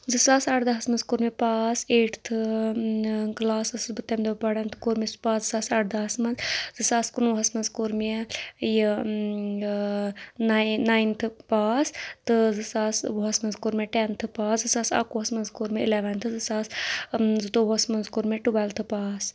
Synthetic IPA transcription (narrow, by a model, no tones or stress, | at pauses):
zɨsaːsaʈd̪ɐɦɐsmɐnzkoɾmepaːseːʈʰt̪ʰɨ | ɡlaːsɐsɨsbɨt̪emd̪ʰpɐɽant̪ʰɨ̥koːɾmispaːszɨsaːsaːʈd̪ɐɦɐsmɐnzzɨsaːskunʋɦɐsmɐnzkoɾmiji | nnːaːjnt̪ʰɨpaːst̪ɨzɨsaːsʋuɦɐsmɐnzkoɾmʲeʈɛːnt̪ʰɨpaːszɨsaːsa̰ːkuːɦɐsmɐnzkoɾmiilɛːʋɐnt̪ʰɨzɨsaːszɨt̪oɦɐsmɐnzkoɾmeʈubaːlt̪ʰɨpaːs